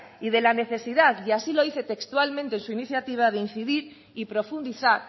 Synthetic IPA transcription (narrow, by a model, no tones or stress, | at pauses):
ið̞e̞lane̞θe̞siðaðasilo̞iθe̞t̪e̞kst̪ualmẽnt̪ensuiniθjat̪iβ̞að̞ein̟θiðiɾ | ipɾo̞fund̪iθaɾ